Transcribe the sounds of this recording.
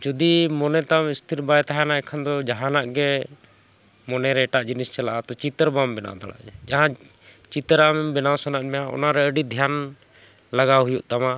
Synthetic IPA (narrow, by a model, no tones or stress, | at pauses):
d͡ʒud̪imɔnɛt̪amist̪ʰiɾbajt̪aɦanaɛkʰand̪ɔd͡ʒaɦãnaʔɡɛ | mɔnɛɾɛːʈaʔd͡ʒinist͡ʃalaʔat̪ɔt͡ʃit̪əɾbambɛna̰d̪ɔɽa̰ʔd͡ʒɛd͡ʒaɦã | t͡ʃit̪ɾamɛmbɛnawsanaʔ̪̚mɛjaʔɔ̰naɾɛəɖid̪ʱjan | laɡaɦujuʔt̪ama